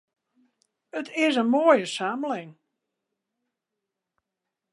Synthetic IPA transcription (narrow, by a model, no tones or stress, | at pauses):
ətʰɪsənmoːjəsaːməlɪŋ